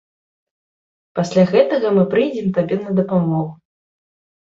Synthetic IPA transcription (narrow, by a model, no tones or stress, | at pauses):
pasʲlʲaɣɛt̪ɐɣɐmɨpɾɨjd͡zʲɛmt̪abʲɛnɐd̪ɐpamɔɣu